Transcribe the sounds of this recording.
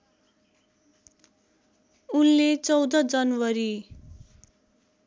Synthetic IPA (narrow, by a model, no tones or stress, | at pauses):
unlet͡sʌwd̪ʌd͡zʌnwʌɾi